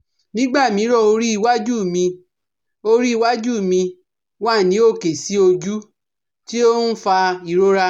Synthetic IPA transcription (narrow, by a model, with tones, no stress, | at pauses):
nĩ˦ɡ͡ba˦˨mĩ˨˦ɾɔ˦˨o˧ɾi˦i˦˧wa˦d͡ʒu˦˨mĩ˧ | o˧ɾi˦i˦˧wa˦d͡ʒu˦˨mĩ˧ | wa˦˨nĩ˨˦o˦˨ke˨si˨˦o˧d͡ʒu˦ | ti˦o˦n̩˦fa˧i˨ɾo˦ɾa˧